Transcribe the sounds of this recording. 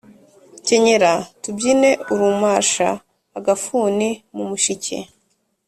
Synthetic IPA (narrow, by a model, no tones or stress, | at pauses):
ce̞ɲe̞ɾatubɟine̞uɾumaːʃa̰ː | ɡafuːnimumuʃicʰḛ